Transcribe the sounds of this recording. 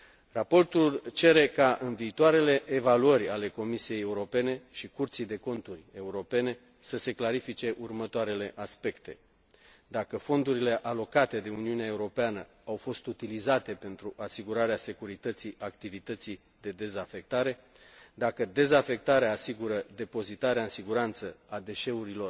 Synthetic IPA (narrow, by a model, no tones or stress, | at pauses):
rapo̞rt̪ult͡ʃe̞ɾe̞kaʔɨnviːt̪oaɾe̞le̞ʔːvaluərʲale̞ko̞misije̞jeuɾo̞pe̞ne̞ʃikurt̪sijd̪e̞ko̞nt̪urʲe̞uɾo̞pe̞ne̞ | səse̞klaɾifit͡ʃe̞ʔurmət̪oaɾe̞le̞ʔaspe̞kt̪e̞̰ | d̪akəfo̞nd̪uɾile̞ʔalo̞kat̪e̞d̪e̞uniuneaeuɾo̞peanə̰ | awfo̞st̪ut̪ilizat̪e̞pe̞nt̪ɾuʔasiɡuɾaɾease̞kuɾit̪ət̪siakt̪ivit̪ət̪si | d̪e̞d̪e̞zafe̞k̚t̪aɾe̞ | d̪akəd̪e̞zafe̞k̚t̪aɾeaːsiɡuɾəd̪e̞po̞zit̪aɾeaɨnsiɡuɾant̪səad̪e̞ʃe̞uɾilo̞r